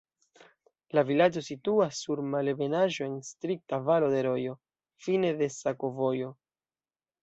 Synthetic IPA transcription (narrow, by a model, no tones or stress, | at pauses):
lavilad͡ʒo̞situasːuɾmalebe̞naʒo̞e̞nstɾik̚tavalo̞de̞ɾo̞jo̞ | fine̞de̞sako̞vo̞jo̞